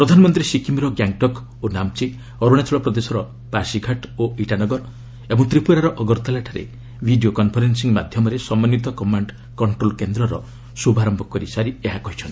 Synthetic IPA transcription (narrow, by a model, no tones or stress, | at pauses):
pɾɔd̪ʱanɔmɔnt̪ɾisikimɾɔɡjaŋʈɔk | onamt͡ʃi | ɔɾuɽ̃at͡ʃʰɔɭɔpɾɔd̪esɔɾɔ | paɾsiɡʱaʈoiʈanɔɡɔɾ | ebɔŋt̪ɾipuɾaɾɔʔɔɡɔɾt̪alaʈʰaɾḛ | bʱiɖijokɔnpʰɔɾensiŋmad̪ʱjɔmɔɾesɔmanjit̪ɔkɔmaɳɖ | kɔɳʈɾolkend̪ɾɔɾɔ̰ | subʱaɾɔmbʱɔkɔɾisaɾieɦakɔɦit͡ʃʰɔnt̪i̥